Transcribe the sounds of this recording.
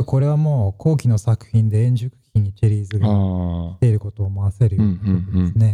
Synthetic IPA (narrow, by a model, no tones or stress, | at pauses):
ko̞ɾe̞β̞amo̞ːkʰo̞ːkʲino̞sakɯ̟̥hĩnd̪ẽ̞ːɲ̟d͡ʑɨkɯ̟̥kʲĩɲ̟ːit͡ɕiɾʲiːzɨɡai̥t̪e̞iɾɯ̟ko̞t̪o̞ːmoase̞ɾɯ̟joːnaaood̪esɨne̞